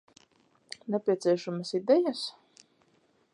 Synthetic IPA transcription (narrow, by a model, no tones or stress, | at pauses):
nɛpʲiɛt̪siɛʃamasid̪ɛjas